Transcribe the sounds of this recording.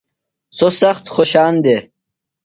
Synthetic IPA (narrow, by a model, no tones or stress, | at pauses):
sosɐxt̪xoɕaːnd̪e